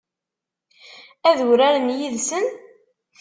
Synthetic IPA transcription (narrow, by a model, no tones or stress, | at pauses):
æðɾæɾənjiðsən